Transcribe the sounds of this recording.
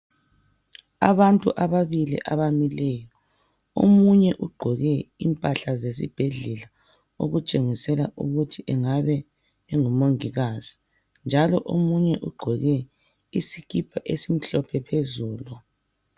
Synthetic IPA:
a̰βantʼuʔaβaβilḭʔaβamilɛjɔ | o̰muɲɛʔuɡ͡ǃʱɔɣɛḭmpʼaɬazes̬ḭb̥ʱeɮɛla | o̰ɣut͡ʃʼeŋisɛlaʔṵɣutʰiʔɛŋaβɛː | ŋumoŋiɣaz̥i | nd͡ʒʱalɔ̰ʔomuɲɛʔuɡ͡ǃʱɔɣɛ | isikʰipʰaʔesim̩ɬɔpʰɛpʰezuːlu

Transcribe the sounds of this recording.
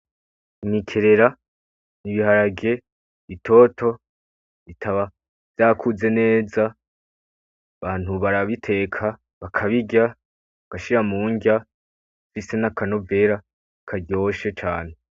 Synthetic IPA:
nikʰe̞ɾe̞ɾa | niβiɦaɾaɡe̞ | itʰo̞tʰo̞ | itʰaβa | v̥jaːkʰuze̞ne̞ːza | βaːn̥huβaɾaβitʰe̞ːkʰa | βakʰaβiɟa | aɡ̥aʃiɾamuːŋɡa | fise̞nakano̞ve̞ɾa | kʰaɟo̞ːʃe̞t͡ʃaːne̞

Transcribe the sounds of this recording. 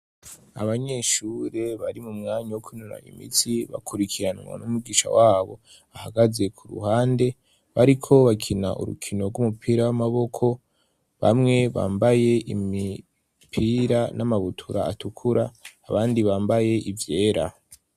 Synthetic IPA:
aβaɲe̞ʃuɾe̞βaɾimumŋaːɲawokʰunuɾa̰ḭmḭt͡siβa̰kʰuɾikʰiɾanŋwa̰numuɡiːʃa̰waːβo̞̰ | ahaɡaze̞kʰuɾṵhaːnde̞ | βaɾikʰo̞βakʰina̰ʔṵɾṵkʰino̞ɾɡwumupʰiːɾawamaβo̞kʰo̞ | βa̰mŋe̞βa̰ːmbaje̞imi | pʰiːɾanʔamaβutʰuɾaːtukʰuɾaːβaːndiβaːmbaje̞ʔivje̞ːɾa̰

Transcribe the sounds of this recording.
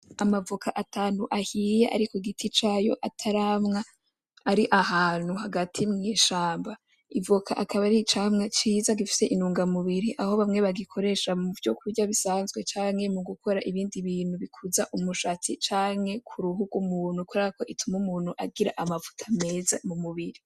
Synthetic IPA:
amavukʰaʔataːnuʔahijeʔa̰ɾikoiɡitʰit͡ʃaːjo̞̰ʔatʰaɾamŋa | aɾiʔahaːn̥uhaɡatʰimŋiːʃaːmba | ivukʰaʔakʰaβaɾit͡ʃamŋat͡ʃiːzaɡifi̥se̞ʔinuːŋɡamuβiɾiʔaho̞βamŋe̞βaɡikʰo̞ɾe̞ʃamuvjo̞kʰuɾɟaβisaːnzɡwe̞t͡ʃaːŋhemuɡukʰo̞ɾaʔiβiːndiβiːn̥huβikʰuzaʔumuʃat͡sit͡ʃaːŋhe̞kʰuɾuɦuɡwumuːnhukuɾaako̞ʔitʰumumuːn̥huʔaɡiɾa̰ʔamavu̥tʰame̞ːza̰mumuβiɾi

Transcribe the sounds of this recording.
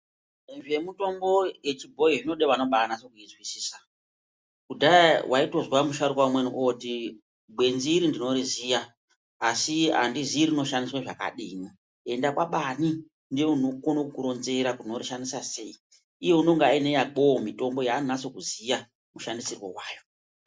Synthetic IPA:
nʐe̞muto̞mbo̞je̞t͡ʃibʱo̞iʐino̞ɗeʋano̞ɓakanaso̞kuizwisiːsḁ | kudawaito̞zwamuʃaɾikwamweniʔoti | bwe̞nziɾindino̞ɾizijaː | sia̰ndiziɾino̞ʃandiswaʐaka̰ɗiːno | e̞ndakwaɓani | ndieunokonokkuɾo̞nze̞ɾakuno̞riʃandisase̞i | ijeuno̞ŋɡaine̞jak͡pomito̞mbo̞jannaso̞kuzija | muʃandisirwo̰waːjo̞

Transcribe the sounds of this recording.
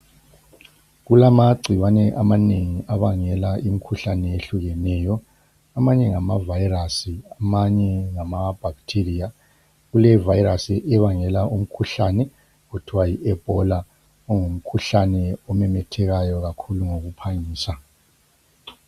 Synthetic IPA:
ɣulamaɡ͡ǀʱiwanɛʔamaneŋiʔaβaŋɛlaʔimikʰuɬanɛeɬuɣɛnɛːjɔ | amaɲɛŋamavajrasiamaɲɛŋamab̥ʱaɣtʰiria | ɣulɛvajiɾasiʔɛβaŋɛlaʔum̩kʰuɬanɛ | ɣud̥ʰʱuwajiʔɛb̥ʱɔla | ɔŋum̩kʰuɬanɛɔmɛmɛtʰɛɣajɔɣakʰuluŋoɣupʰaɲiːsa

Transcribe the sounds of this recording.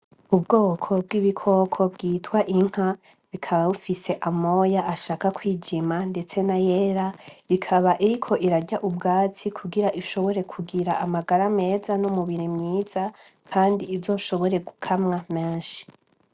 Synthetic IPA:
ubɡoːkʰo̞b̚ɡiːβikʰo̞kʰo̞bɡiːtwaʔiŋ̥ha | βikʰaβaβufise̞ʔamo̞jaʔaʃaːkakwiːd͡ʒimande̞t͡se̞najeːɾaɾikʰaβaʔiɾikʰo̞ʔiɾaɟaʔub̚ɡaːt͡sikʰuɡiɾaʔiʃo̞βo̞ɾe̞kʰuɡiɾaamaɡaɾame̞ːzanumuβiɾemɲiːz̥a | kʰaːndiːzo̞ːʃo̞βo̞ɾe̞ɡukʰamŋameːnʃi̥

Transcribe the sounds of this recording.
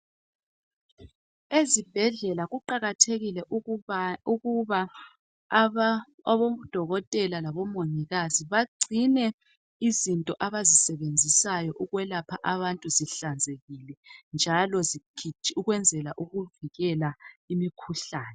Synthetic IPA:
ezib̥ʱɛɮɛlaɣuǃaɣatʰeɣilɛʔ | uuβa | βɔd̥ʱɔɣɔtʼɛlalaβɔmoɲiɣaziβaɡ͡ǀʱinɛ | izintʼɔʔaβazisɛβend͡zʱisajɔʔuɣwɛlapʰaʔaβantʼuziɬand͡zʱeɣilɛnd͡ʒʱalɔzikʰit͡ʃʼiuɣwɛnd͡zʱɛlaʔuɣuviɣɛlaimikʰuɬaːnɛ

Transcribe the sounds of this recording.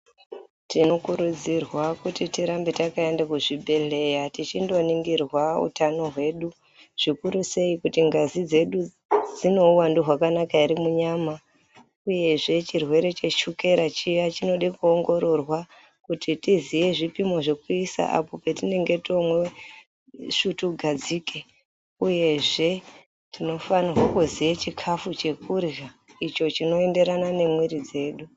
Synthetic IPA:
tino̞kuɾud͡zirwakutitiɾambe̞takaendakuʐibʱe̞ɮe̞jatit͡ʃindo̞niŋɡirwaṵtano̞ɦwe̞ːɗu | ʐ̥ikuɾuse̞ikutiŋɡazid͡ze̞ɗu | d͡zino̞uwanduɦwakanakaiɾimuɲaːma | uje̞ʐe̞t͡ʃirwe̞ɾe̞t͡ʃe̞ʃuke̞ɾat͡ʃijat͡ʃino̞ɗikuoŋɡo̞ɾo̞rwa | kutitizije̞ʐipimo̞ʐe̞kuisa̰ʔa̰po̞pe̞tine̞ŋɡe̞to̞mwe | ʂutuɡʱad͡zike̞ | uje̞ʐe̞ | tino̞fanirwakuzijat͡ʃikʰafut͡ʃe̞kurja | it͡ʃo̞t͡ʃino̞e̞nde̞ɾanane̞mwiɾid͡ze̞ːɗu

